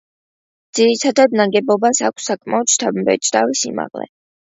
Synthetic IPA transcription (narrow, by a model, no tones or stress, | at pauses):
d̪z̥iɾit̪ʰad̪ad̪̚naɡɛbɔbasakʷʰsːakʼmaɔt̪ʃt̪ʰabmbɛ̰t͡ʃʼd̪avisḭma̰ʁlɛ̰